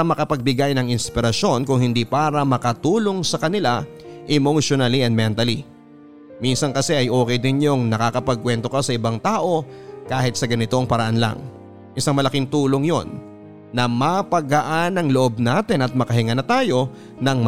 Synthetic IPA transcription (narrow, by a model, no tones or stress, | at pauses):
ɐmɐkɐpɐɡ̚bɪɡajnɐŋɪnspɪɾɐʃo̞nkʊŋhɪnd̪ipaːɾɐmɐkɐt̪uːlo̞ŋsɐkɐnɪla | ʔɛmoʃonaliɛnd̪mɛnt̪ɐli | minsɐnkɐsɛʔɐjʔo̞ːkɛjd̪ɪno̞ŋnɐkakɐpɐɡ̚kwɛnt̪o̞kɐsɐʔɪbaŋt̪aːʔo̞kaːhɪt̪̚sɐɡɐnɪt̪o̞ŋpɐɾɐʔanla̰ŋ | ʔɪsaŋmɐlɐkiŋt̪uːlo̞ŋjo̞nː | ɐmɐpɐɡɐʔanɐŋloʔo̞b̚naːt̪ɪnɐt̪̚mɐkɐɦɪŋɐnɐt̪aːjo̞ | nɐŋm